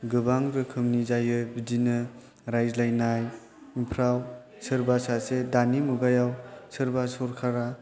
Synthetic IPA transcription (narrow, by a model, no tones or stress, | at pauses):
ɡɯbaŋɾɯkʰɯmnizajɯbidinɯ | ɾajzlajnaj | impʰɾaw | sɯɾbasasedanimuɡajawsɯɾbasɔɾkʰaɾa